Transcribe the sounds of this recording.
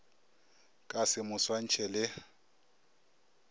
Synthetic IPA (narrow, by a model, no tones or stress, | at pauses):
kʼasɪmʊswan̩t͡ʃʰɛlɪ